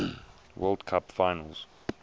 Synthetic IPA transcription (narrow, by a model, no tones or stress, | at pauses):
wʔɜ̰ːlˠdkʰapfaɪnə̰lˠz̥